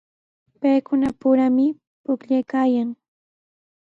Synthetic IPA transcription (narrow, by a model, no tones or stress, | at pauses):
pajkʊnapʊɾamɪ | pʊkʎajkaːjaŋ